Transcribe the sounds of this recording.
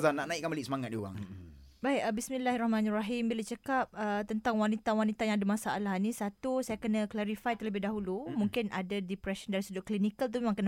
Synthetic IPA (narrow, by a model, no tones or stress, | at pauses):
zanːaʔnãikːanbəliʔsəmaŋat̪̚diua̰ŋ | baikəbismĩlaɦrɔhmanraɦimbilat͡ʃəkap̚ət̪ənt̪aŋwanit̪awanit̪ajaŋadamasaalahnĩsat̪usajakənə̃klaɾifajt̪ərləbɪhdaɦulumũŋkɪnʔadadipɾɛsəndaɾisədʊʔklinikəlt̪̬umemaŋkənə